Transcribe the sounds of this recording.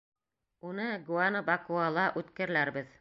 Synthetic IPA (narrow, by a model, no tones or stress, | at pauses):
unɤɡuanəbakualˠɑʔʉt̪kɘ̆ɾɘlæɾbɘð